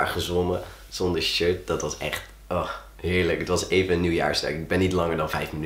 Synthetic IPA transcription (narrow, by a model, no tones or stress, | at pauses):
aɹχəzʋɔmə | z̥ɔndəɹʃøɹt̚dɑtʋɑsɛ̰χt | ʔɔχ | ɦɪːɹləkətʋɑsejvənənːywja̰ːɹstə̰kɪɡ̚bɛnːitlɑŋəɹdɑnvɛjfməny